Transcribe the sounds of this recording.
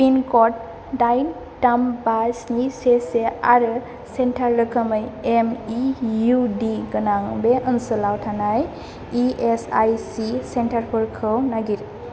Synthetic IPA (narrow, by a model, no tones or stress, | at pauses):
pinkɔt̚ | dajn | tambasniseseaɾɯ | sentʰaɾːɯkʰɯmɯjemijudiɡɯnaŋbeʔɯnsɯlawtʰanaj | iesajsisentʰaɾpʰɯɾkʰɯwnaɡiɾ